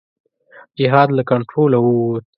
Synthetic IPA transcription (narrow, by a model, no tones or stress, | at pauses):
d͡ʒɪɦɑd̪lakaɳʈɾolawut̪